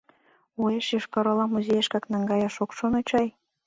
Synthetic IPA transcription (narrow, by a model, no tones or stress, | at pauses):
ueʃjiʃkɑɾolɑmuzʲejeʃkɑknɑŋɡɑjɑʃokʃonot͡ɕɑj